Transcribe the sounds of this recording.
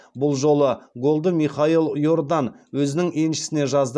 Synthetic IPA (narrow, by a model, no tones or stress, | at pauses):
bʊlˠʒo̞lˠəɡo̞lˠd̪əmiχailˠjo̞ɾd̪ɑn | wɵzɪnɪŋe̞nʃɪ̥sɪne̞ʒɑzd̪